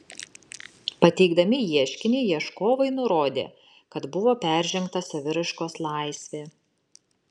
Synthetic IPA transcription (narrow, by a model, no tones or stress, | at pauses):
pɐt̪ʲɛɪɡd̪ɐmʲɪjiɛʃʲkʲɪnʲɛɪjiɛʃkoːʋɐɪnʊɾoːd̪ʲḛː | kɐt̪bʊʋoːpʲæˑɾʲˑʒʲɛŋkt̪ɐsɐʋʲɪɾɐʃkoːslˠɑˑɪsʲʋʲeː